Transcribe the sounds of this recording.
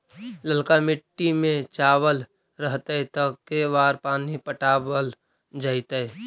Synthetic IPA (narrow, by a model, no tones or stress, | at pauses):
ləlkamɪʈːimẽt͡ʃaːwəl | ɾəɦt̪et̪əkːebaːɾpaːnipəʈaːbəl | d͡ʒaːɪt̪e